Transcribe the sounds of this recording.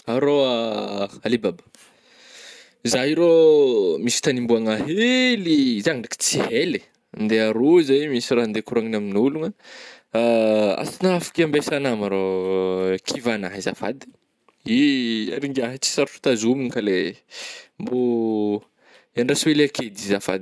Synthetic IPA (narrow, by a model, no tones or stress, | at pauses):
aɾoaalibabḁ | izaɦiɾomisi̥t̪animbuaŋaɦelizaŋaɳɖ͡ʐaki̥t͡siɦele | nd̪eaɾozajmisiraɦnd̪ekuɾaŋinaminuluŋə | a̰sinafḁkiambesanamaɾo | kʰivanaɦiza̰fa̰d̪i̥ | ia̰ɾiŋɡaɦit͡si̥saɾfu̥t̪azuminkale | mbu | iaɳɖ͡ʐasuelaked̪izafa̰d̪